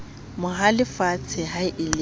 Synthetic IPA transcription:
mʊɦalɪfat͡sʰɪɦaɪʔɪlɪ

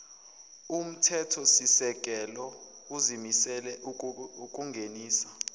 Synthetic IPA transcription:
um̩tʰɛtʰɔsisɛk̬ʼɛlɔ | uzimisɛlɛuk̬ʼuŋɡʱeniːsḁ

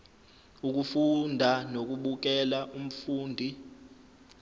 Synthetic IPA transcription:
uk̬ufundʱanok̬uɓuk̬ɛlaʔum̩fuːndʱi

